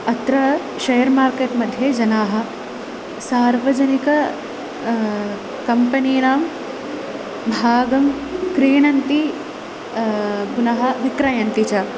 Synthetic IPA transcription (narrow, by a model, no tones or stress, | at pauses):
ɐt̪ɾɐ | ʃɐjɐɾmaːɾkeːʈmɐd̪ʱjɐd͡ʒɐnaːɦɐ̆ | saːɾʋɐd͡ʒɐnikɐ | kɐmpɐniːnaːm | bʱaːɡɐmkɾiːɳɐnt̪i | ɡunɐɦɐ̆ʋikɾɐjɐnt̪it͡ʃa